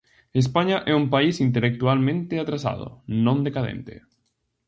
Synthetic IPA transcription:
es̬paɲɐʔɛumpaisint̪elek̚t̪ualmẽnt̪ɪat̪ɾasa̰ð̞ʊ̰nõnd̪ekaðḛ̃nt̪ɪ̰

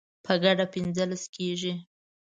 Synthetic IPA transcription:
pʰəɡaɖapɪnzəlaskeʒi

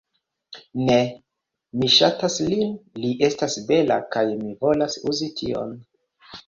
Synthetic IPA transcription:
ne | miʃataslinliʔe̞stasbe̞lakajmivo̞lasuzitʰio̞̰n

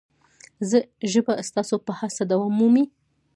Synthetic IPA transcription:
zəʒəbast̪ɑsopəhasad̪awɑmumi

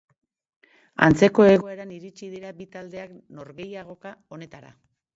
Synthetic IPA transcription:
a̰nt͡se̞ko̞e̞ɣo̞e̞ɾaniɾit͡ʃiðiɾabit̪ald̪e̞ak | no̞ɾɣe̞jaɣ̞o̞kao̞ne̞t̪aɾa̰

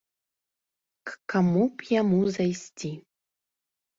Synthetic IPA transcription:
kkamupjamuzajsʲtʲi

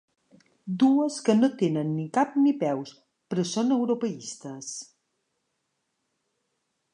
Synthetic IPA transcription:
d̪uəskənot̪enənːikap̚nipɛws | pɾəsonəwɾopəist̪əs

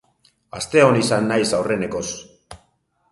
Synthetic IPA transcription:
a̰st̪e̞o̞nisanːajsawre̞ne̞ko̞s

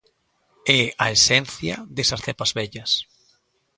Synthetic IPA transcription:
ɛɐesɛnθjɐ̰ðesɐsθɛpɐzβɛʎɐs

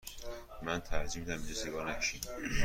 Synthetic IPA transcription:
mænt̪ʰæɾd͡ʒimid̪æmid͡ʒeseɡɒːɾnækʃʰi

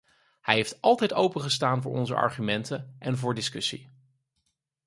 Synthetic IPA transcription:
hɛjɦeftɑlˠtɛjtowpəχəstaːnvʊːɹʔɔ̰nzə̰ʔɑ̰ɹχymɛntəʔɛnvʊːɹdɪskɵsḭ

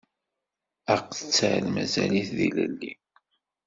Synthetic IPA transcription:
əqθə̥t͡sːʕlmæzæliθðiləlːi

